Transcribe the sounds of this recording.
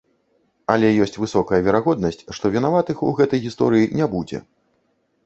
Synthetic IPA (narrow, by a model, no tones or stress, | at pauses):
ɐlʲɛjɔsʲt͡sʲvɨsɔkɐjɐvʲɛɾaɣɔd̪nɐsʲt͡sʲʂt̪ɔvʲinavat̪ɨxuɣɛt̪ɐjɣʲist̪ɔ̰ɾɨjinʲɛbud͡zʲɛ̰